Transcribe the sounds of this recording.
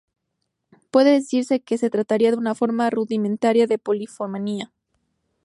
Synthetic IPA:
pwe̞ðe̞ðe̞siɾse̞ke̞se̞t̪ɾat̪aɾiaðeunafo̞ɾmaruðiment̪aɾjaðe̞po̞lifomania

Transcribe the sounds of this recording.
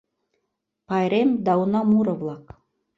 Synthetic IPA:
pɑjɾemd̪ɑunɑmuɾɤ̆vlˠɑk

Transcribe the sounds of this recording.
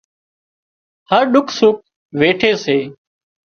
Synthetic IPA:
həɾɗʊkʰsʊk̚ | ʋeːʈʰeːseː

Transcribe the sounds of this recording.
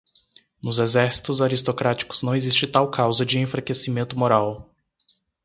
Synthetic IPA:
nʊzezɛɾsi̥t̪ʊzaɾist̪okɾat͡ʃi̥kʊ̥z̥nɐ̃w̃ezist͡ʃɪt̪awkawzɐd͡ʒɪẽfɾakesimẽnt̪ʊmoɾaw

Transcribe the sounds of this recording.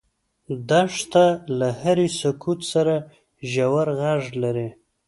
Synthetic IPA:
d̪aʂt̪alahaɾisʊkʰut̪saɾa | ʒawaɾɣaʐlaɾi

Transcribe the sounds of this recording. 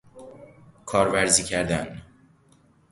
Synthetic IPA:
kʰɒːɾvæɾziːcʰæɾd̪æn

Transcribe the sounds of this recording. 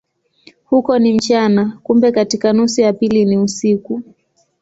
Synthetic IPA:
hukɔnim̩t͡ʃanakumbɛkatikanusujapiliniusiku

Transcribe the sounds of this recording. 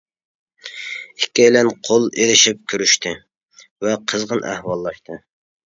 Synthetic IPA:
ikʲʰːɛjlɛnqʰolˠelɪʃip̚kʲʰøɾyʃt̪ʰɪ | vɛqʰəzʁənæ̰hwɑlˠːɑʃt̪ʰɨ

